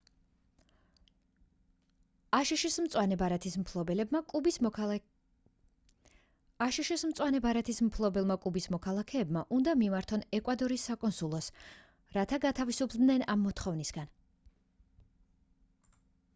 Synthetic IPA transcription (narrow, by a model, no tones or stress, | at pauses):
aʃiʃism̩t̪sʼwanɛbaɾat̪ʰismpʰlˠɔbɛlɛbmakʼubi | aʃiʃismt̪sʼwanɛbaɾat̪ʰismpʰlˠɔbɛlˠmakʼubismɔkʰalˠakʰɛːbmaʔund̪amimaɾt̪ʰɔnɛkʼwad̪ɔɾisːakʼɔnsulˠɔs | ɾat̪ʰaɡat̪ʰavisupʰd̪nɛnamːɔt̪ʰχɔvnisɡ̥an